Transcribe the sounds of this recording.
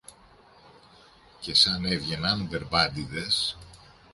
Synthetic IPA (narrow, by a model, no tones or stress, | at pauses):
ce̞sɐne̞vʝe̞nɐnve̞ɾbɐd̪iðes